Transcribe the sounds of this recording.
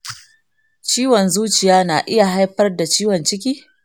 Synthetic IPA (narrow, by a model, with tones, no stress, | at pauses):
t͡ʃiː˦wɔ˨nzuː˦t͡ʃɪ˨jaː˦naː˨ʔɪ˦ja˨ɦa˦jɸɐ˦rda˨t͡ʃiː˦wɔ˨nt͡ʃɪ˦k̬ʲiː˦